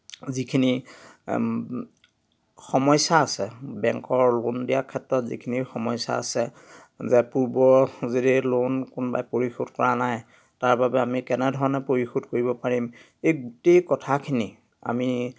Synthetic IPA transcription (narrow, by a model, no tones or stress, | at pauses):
zikʰini | xɔmɔjsaːsɛbɛŋkɔɹlondijakʰːɛtɹɔtzḭkʰinixɔmɔjsa̰a̰sɛ | zɛpuɹbɔzedilonkʊnba̰jpoɹixodkɔɹanaj | taɹbabɛamikɛnɛdʱɔɹɔnɛpoɹixodkoɹibɔpaɹim | ejɡutejkɔtʰakʰini | a̰mi